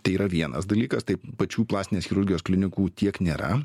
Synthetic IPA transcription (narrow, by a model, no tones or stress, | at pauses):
t̪ɐɪiːɾɐʋʲiɛnɐ̰sd̪ɐlʲiːkɐst̪ɐɪpɐt͡ʃʲuːplˠɑːsʲɪnʲeːsxʲɪɾʊɾʲɡʲɪjoːsklʲɪnʲɪkuːt̪ʲiɛknʲeːɾɐ̰